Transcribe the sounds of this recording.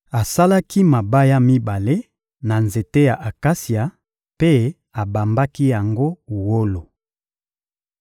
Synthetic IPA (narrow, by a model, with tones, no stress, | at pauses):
a˨sa˦la˦ki˦ma˨ba˦ja˦mi˦ba˨le˦ | na˨nze˨te˦ja˨ʔa˨ka˦si˨a˨ | pe˦ | a˨ba˨mba˦ki˦ja˨ŋɡo˦u˨wo˦lo˨